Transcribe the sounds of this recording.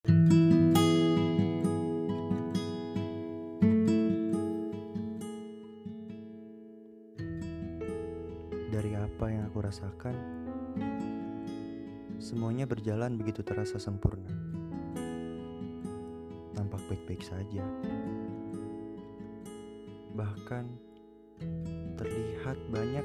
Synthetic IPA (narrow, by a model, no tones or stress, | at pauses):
daɾiapajaŋakuɾasakan | səmuaɲabərd͡ʒalanbəɡit̪ut̪əɾasasəmpurna | t̪ampak̚bak̚baik̚sad͡ʒa | bahkan | t̪ərlihat̪̚baɲa